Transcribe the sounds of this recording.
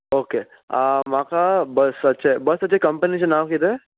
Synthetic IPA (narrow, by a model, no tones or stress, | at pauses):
oːke | amãːkabɐsɐtːʃʰabɐsɐtːʃʰakɐ̃mpənit͡ʃenãːwkid̪e